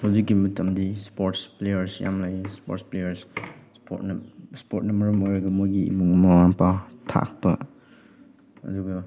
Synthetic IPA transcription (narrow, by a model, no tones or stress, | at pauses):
hawzikːimɐtʰɐmdispoɾtsplejɐɾsja̰mlajspo̰ɾtsplejɐɾsspo̰tnspot̚nɐmɐɾɐmojɾɐɡɐmojɡḭːbuŋmɐwaŋpawtʰa̰k̚pɐ | ɐ̰duɡɐ